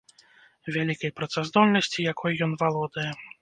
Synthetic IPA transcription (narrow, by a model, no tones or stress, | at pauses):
vʲalʲikɐjpɾɐt̪sazd̪ɔlʲnɐsʲt͡sʲijakʰɔjjɔnvalˠɔd̪ɐjɛ